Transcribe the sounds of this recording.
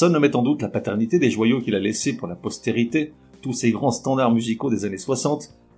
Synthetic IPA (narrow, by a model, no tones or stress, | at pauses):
sɔnːɔmɛt̪ɑ̃d̪ut̪lapat̪ɛʁnit̪ed̪eʒwajokʲilalesepuʁlapɔst̪eʁit̪e | t̪useɡʁɑ̃st̪ɑ̃d̪aʁmyzikod̪ezaneswasɑ̃t̪